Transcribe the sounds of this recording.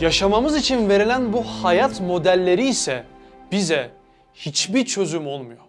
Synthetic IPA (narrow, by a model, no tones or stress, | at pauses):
jaʃamamɯzit͡ʃʰinve̞ɾilʲænbuhajat̪mo̞d̪ælʲːe̞ɾiːsɛb̥izɛ | hit͡ʃbiɾt͡ʃʰø̞zymo̞lˠmujo